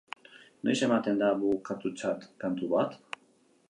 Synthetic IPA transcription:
nojse̞mat̪e̞nd̪aβukat̪ut͡sat̪kant̪uβat̪

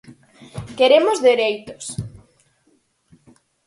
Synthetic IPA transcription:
keɾemozðeɾejt̪o̥s

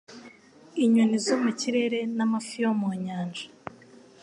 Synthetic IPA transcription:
iɲunizomuciɾe̞ɾe̞namafijomoɲaːnʒḁ

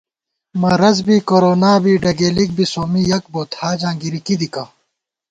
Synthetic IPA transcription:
mɐɾɐzbiːkoɾoːnaːbiːɖɐɡeːlik̚bisoːmijɐk̚boːt̪ʰhaːd͡ʑãːɡiɾikid̪ika

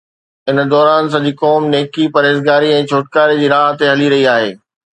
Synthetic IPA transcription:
ɪn̆d̪ɔːɾaːns̬ɐ̃d͡ʑiːkɔːmneːkipɐɾeːzɡaːɾiɛ̃ːt͡ɕʰoːʈkaːɾed͡ʑiːɾaːɦt̪eɦɐliɾɐɦiaːɦeː

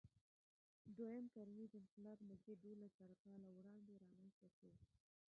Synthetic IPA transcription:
d̪wajəmkaɾmid̪əɪnqɪlɑbnʊzd̪ed̪olasaɾaqalawɽɑnd̪eɾɑmanst̪ake

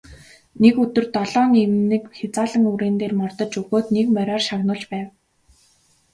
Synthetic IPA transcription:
nekɵt̪ɵ̆rt̪ɔɮɔːnimnɘ̆kxʲat͡saːɮə̆ŋuɾeːnt̪eːrmɔr̥t̪ɞ̆t͡ɕɵɣoːt̪nekmœɾʲɔːrʃaɣnʊːɮt͡ɕpæːw

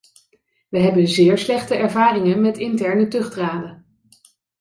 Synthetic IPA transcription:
ʋəɦɛbənzɪːɹslɛχtəʔɛɹvaːrɪŋənmɛtɪntɛɹnətɵχdraːdə

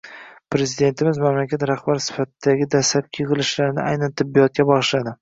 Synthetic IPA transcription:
pɾe̞zɪd̪e̞nt̪ʰɪmɪzmamlakʲat̪ɾaχbaɾsɪ̥fat̪ʰɪd̪aɡʲɪd̪aslap̚kʰʲɨʁɨlɪʃlaɾɪnɪ̰ʔajnant̪ʰɪbːijɒt̪̚kʲabɒʁɨʃlad̪ɪ

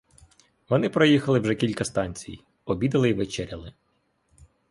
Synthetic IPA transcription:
ʋɔnɪpɾɔjixɐlˠɪwʒɛkʲilʲkɐst̪ɑnʲt͡sʲḭj | ɔbʲid̪ɐlˠɪʋet͡ʃɛɾʲɐlˠɪ

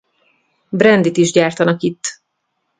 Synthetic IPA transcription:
brɛnd̪it̪iʒɟaːrt̪ɒnɒkit̪ː

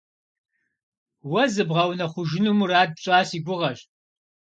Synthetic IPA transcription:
wɐzɨbʁɐwnɐχʷʊʒɪnumuraːd̚pɕʼaːsiːɡʷʊʁɐɕtʼ

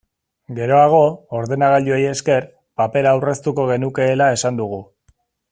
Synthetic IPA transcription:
ɡe̞ɾo̞aɣ̞o̞ːɾðe̞naɣaʎueje̞ske̞r | pape̞ɾaːwre̞st̪uko̞ɣ̞e̞nuke̞ːlae̞sand̪uɣ̞u

